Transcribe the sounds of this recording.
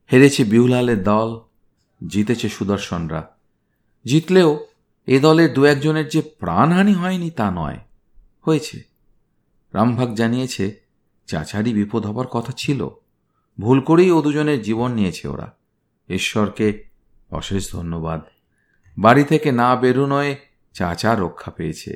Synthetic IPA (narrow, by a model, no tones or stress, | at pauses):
heɾet͡ɕʰebiulaleɾd̪ɔl | d͡ʑit̪et͡ɕʰeʃud̪oɾʃonɾa̰ | d͡ʑit̪leo | ed̪ɔleɾd̪uɛk̚d͡ʑoneɾd͡ʑepɾa̰nɦaniɦɔenit̪anɔ̰e | hoet͡ɕʰḛ | ɾambʱaɡ̚d͡ʑanijet͡ɕʰe | t͡ɕa̰t͡ɕaɾibipod̪ʱɦɔbaɾkɔt̪ʰat͡ɕʰilo̰ | bʱulkoɾejod̪ud͡ʑoneɾd͡ʑiβonːiet͡ɕʰḛo̰ɾa̰ | eʃːɔɾke | ɔ̰ʃeʃd̪ʱonːobad̪ | baɾit̪ʰekenabeɾunɔe | t͡ɕa̰t͡ɕaɾokʰːapejet͡ɕʰḛ